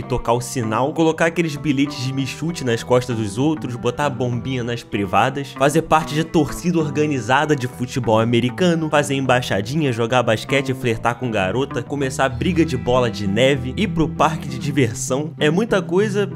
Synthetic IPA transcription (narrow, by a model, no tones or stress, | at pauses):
ɪt̪okaʊsinawkolokaɾakelɪzbilet͡ʃɪzd͡ʒɪmiʃut͡ʃɪnɐskɔʃt̪ɐzd̪ʊzowt̪ɾʊzbot̪abõbĩɲɐnɐʃpɾivad̪ɐsfazepaɾt͡ʃɪd͡ʒɪt̪oɾsid̪ɐoɾɡɐ̃nizad̪ɐd͡ʒɪfut͡ʃibɔwameɾikɐ̃nʊfazeɾẽmbaʃa̰d͡ʒĩɲɐʒoɡabaʃkɛt͡ʃɪɪfleht̪akõɡa̰ɾot̪ɐkomesabɾiɡɐd͡ʒɪbɔlɐd͡ʒɪnɛvɪɪpɾʊpaɾkɪd͡ʒɪd͡ʒiveɾssɐ̃w̃ɛmũj̃t̪ɐkojzɐ